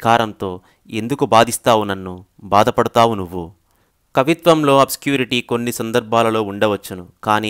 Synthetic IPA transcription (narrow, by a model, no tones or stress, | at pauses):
kaːɾɐnt̪o̞ː | e̞nd̪ukubaːd̪ist̪aːʋunɐnːu | baːd̪ɐpɐɽut̪aːʋunuʋːu | kɐʋit̪ʋɐmlo̞ːɐbsi̥kjuːɾiʈiːko̞nːisɐnd̪ɐɾbʱaːlɐlo̞ːuɳɖɐʋɐt͡ʃːɐnukaːniː